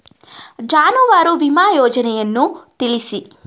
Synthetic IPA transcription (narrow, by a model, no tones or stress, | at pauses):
d͡ʒaːnuʋaːɾuʋimaːjɔːd͡ʒɐnɛjɐnːut̪iɭisi